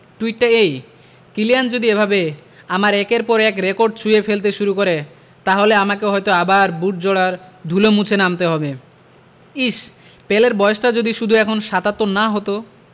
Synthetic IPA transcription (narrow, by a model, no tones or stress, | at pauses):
ʈuiʈːaej | kilijand͡ʑod̪iebʱabe | amaɾɛkeɾpɔɾɛkɾekoɾɖ̚t͡ɕʰujefelt̪̬eʃuɾukoɾe | t̪aɦoleamakeɦɔjt̪oabaɾbuʈ̚d͡ʑoɽaɾd̪ʱulomut͡ɕʰenamt̪eɦɔbe | iʃ | peleɾbɔoʃʈad͡ʑod̪iʃud̪ʱuɛkʰonʃat̪at̪ːonaɦot̪o